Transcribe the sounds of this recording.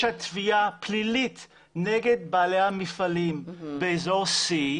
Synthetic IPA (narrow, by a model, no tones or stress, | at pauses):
hat̪vijaplilit | neɡed̪̚baːlehamifalimbeezoʁsi